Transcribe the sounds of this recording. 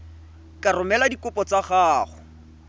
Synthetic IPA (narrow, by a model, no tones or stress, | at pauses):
karʊmɛladikʊpɔt͡saχaːχʊ